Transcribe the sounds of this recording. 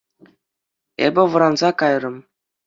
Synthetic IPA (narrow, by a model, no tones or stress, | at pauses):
ḛbʲɘ̆ʋɤ̆ɾɑnzɑkɑjrɤ̆m